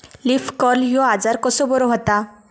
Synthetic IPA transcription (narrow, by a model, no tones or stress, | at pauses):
lifkɔɾljoad͡zaɾkɔsobɔɾoɦot̪a